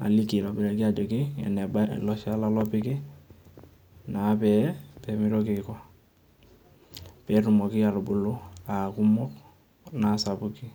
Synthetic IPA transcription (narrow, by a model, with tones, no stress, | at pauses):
a̰˨li˦ki˨lɔ˨bɪ˨ɾa˨kɪ˦a˨d͡ʒɔ˨kɪ˦ɛ̰˨nɛ˨balɔ˦ʃa˦la˦lɔ˦pɪ˦kɪ˦ | na˨˦pɛ˨pɛ˨mɪ˦ɾɔ˦kɪ˨ka˦ | pɛ˨ɾʊ˨mɔ˨kɪ˦a˨ɾʊ˨bʊ˨lʊ˦a˨ku˦mɔ˦k | na˨sa˨bʊ˦ki˦